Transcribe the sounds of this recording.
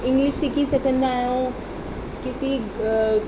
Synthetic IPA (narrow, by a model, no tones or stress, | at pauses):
ɪ̃ŋɡlɪʃikisɐt̪ʰə̃nd̪aːjõ | kɪsi